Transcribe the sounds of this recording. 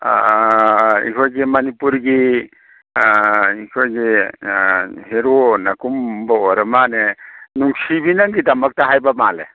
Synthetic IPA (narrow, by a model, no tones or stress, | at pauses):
ḭkʰojɡimanipuɾɡi | ikʰojɡi | heɾonakumbaɔɾəmanenuŋsibinaŋɡidamak̚taɦajbamalḛ